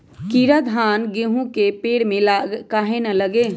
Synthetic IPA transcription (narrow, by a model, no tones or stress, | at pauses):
kiːɾad̪ʱaːnɡeːɦũkepeːɽmẽlkaːɦenɐləɡeː